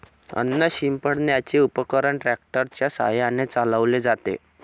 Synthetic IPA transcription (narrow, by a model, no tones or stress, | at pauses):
ə̰nːəɕimpəɽnjat͡ɕeupəkəɾəɳʈɾæk̚ʈəɾt͡ɕjasa̰ɦjanet͡saləʋled͡zat̪ḛ